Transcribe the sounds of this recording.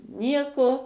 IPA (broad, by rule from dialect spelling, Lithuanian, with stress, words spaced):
ˈnʲiɛkoː